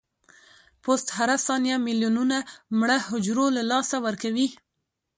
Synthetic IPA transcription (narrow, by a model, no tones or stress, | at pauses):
post̪haɾasɑnjamiljununamɽəhʊd͡ʒɾolalɑsawəɾkawi